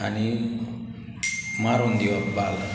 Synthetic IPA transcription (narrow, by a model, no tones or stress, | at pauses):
ani | maɾond̪iwabal